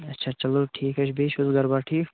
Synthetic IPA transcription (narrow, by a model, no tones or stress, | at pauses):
ɐtːʃʰaːt͡ʃɐloʈʰiːkɐt͡ʃʰbeːʃʊzɡɐɾbaːʈʰiːk